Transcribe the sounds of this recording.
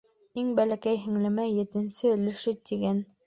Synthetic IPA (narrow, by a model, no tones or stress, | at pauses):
iŋbælækæjɦɘ̆ŋlɘ̆mæjɘ̆t̪ɘ̆nsɘɵ̆lɘ̆ʃɘt̪iɡæn